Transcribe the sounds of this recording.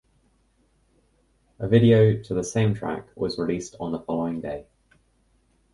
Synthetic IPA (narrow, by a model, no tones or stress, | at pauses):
əvɪɾiəʊtʰəðəsẽɪ̃mtʰɹ̥a̰kwɒzɹɪliˑstʰn̩ðəfɒləʊɪ̃ŋdeɪ